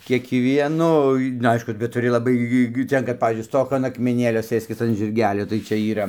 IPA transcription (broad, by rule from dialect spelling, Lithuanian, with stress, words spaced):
kʲiɛkˈʋʲiɛnoːj nʊ ˈɐɪʃkʊ bʲɛt tʊˈrʲɪ lˠɐˈbɐɪ ɡʲɪ ˈtʲɛn kɐt ˈpɑːʋʲiːzʲd͡ʒʲʊɪ ˈstoːk ɐn ɐkmʲɛˈnʲeːlʲoː ˈsɘsʲkʲɪs ɐn ʒʲɪrʲˈɡʲæːlʲoː tɐɪ ˈt͡ʃʲɛ iːˈrɐ